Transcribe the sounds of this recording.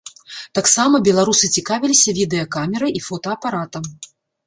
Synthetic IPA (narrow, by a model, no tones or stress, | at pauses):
t̪aksamɐbʲɛlˠaɾusɨt͡sʲikavʲilʲisʲɐvʲid̪ɛjɐkamʲɛɾɨjʔifɔt̪ɐːpaɾat̪ɐm